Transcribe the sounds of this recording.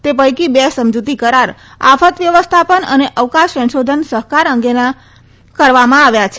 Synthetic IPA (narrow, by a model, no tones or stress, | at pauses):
t̪epəjkibesəmd͡ʒut̪ikəɾaɾ | a̰fʰət̪ʋjəʋəst̪ʰapənə̰neʔəʋkãʃsə̃nʃod̪ʱənsəɦkaɾəŋɡena | kəɾʋamãaʋjat͡ʃʰe